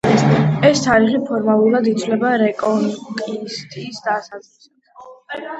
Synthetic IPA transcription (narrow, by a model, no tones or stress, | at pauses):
ɛst̪ʰaɾiʁipʰɔɾmalˠuɾad̪it̪sʰwlɛbaɾɛkʼɔnkʼist̪ʼisd̪asad̪zʁisad̪̥